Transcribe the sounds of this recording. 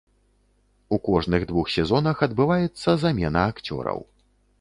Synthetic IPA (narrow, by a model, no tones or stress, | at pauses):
ukɔʐnɨɣd̪vuxsʲɛzɔnɐxɐd̪bɨvajɛt̪sːɐzamʲɛnɐːkt͡sʲɔ̰ɾɐ̰w